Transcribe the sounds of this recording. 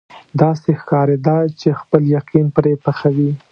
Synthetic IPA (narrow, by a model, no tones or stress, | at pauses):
d̪ɑsexkɑɾed̪ɑt͡ʃexpəljaqinpɾepaxawi